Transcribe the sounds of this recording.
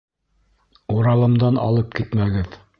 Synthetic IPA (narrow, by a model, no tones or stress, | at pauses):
uɾɑlˠɤ̆md̪ɑnʔɑ̰lˠɤp̚kit̪mæɡɘð